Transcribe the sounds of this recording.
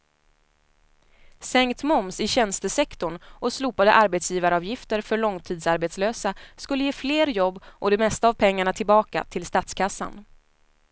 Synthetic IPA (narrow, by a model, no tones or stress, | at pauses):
sɛŋkt̪mɔmsɪɕɛnst̪əsɛkt̪ʊɳʔɔsluːpad̪ə̰ʔaɾbɛt̪sjiːvaɾɑːvjɪft̪əɾfœɭɔŋt̪ʰiːd̪saɾbet̪sløːsaskɵlːəjeːfleːɾjɔbːʔɔd̪ɛmɛst̪aːvpʰɛŋːaɳat̪ʰɪlbɑːka̰t̪ʰɪlst̪at̪skʰasːa̰n